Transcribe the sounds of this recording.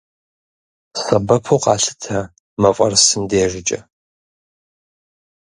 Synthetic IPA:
sɐbɐpʰowqɑːɬɨ̥tʰɐ | mɐfʷʼɐrsɨmdeːʒɪt͡ʃʼɐ

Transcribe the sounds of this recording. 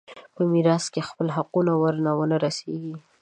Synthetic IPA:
pəmiɾɑskexpəlɦaqunawəɾnawənaɾaseɡi

